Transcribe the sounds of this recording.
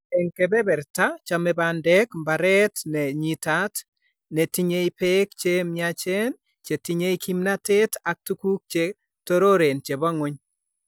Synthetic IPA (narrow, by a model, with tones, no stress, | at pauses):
ɛ˨ŋkɛ˨bɛ˦bɛ˨ɾta˦t͡ʃa˨mɛ˨bandɛ˦kmba˨ɾɛ˦tnɛ˨ɲi˨ta˦t | nɛ˨ti˦ɲe˦i˦pekt͡ʃe˦mɪat͡ʃe˦n | t͡ʃe˨tiɲe˦iki˦mna˦te˦ta˨k̚tu˦ku˦k̚t͡ʃe | to˦ɾo˦ɾe˨nt͡ʃe˨bɔ˦ŋʊ˦ɲ